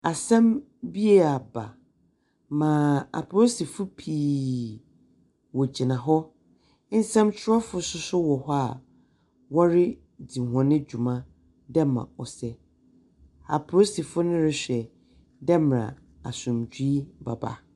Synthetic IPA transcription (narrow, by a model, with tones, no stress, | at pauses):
a˨sã˦m | bi˦e˦˨a˨ba˨ | mãː˨a̰˨pʰo˦si˨fʊ˦pʰiː˨ | wɔ˨d͡ʑi˨nã˨ɦɔ˦ | n̩˦sã˦mt͡ɕʰɪ˦a˦fʊ˦sʊ˦sʊ˦wɔ˨hɔ˦a˨ | wɔ˦ɾɪ˦ | di˨hɔ̃˨nɪ̃˦d͡ʑᶣu˨mã˦ | dɛ˦mã̰˨ɔ˨sɛ˦ | a̰˨pʰo˦si˨fʊ˦nʊ̃˦ɾɪ˨ɕᶣɛ˨ | dɛ˦m˨ɾã̰˨ | a˨sʊ̃˨md͡ʑᶣi˦i˦ba̰˨ba̰˨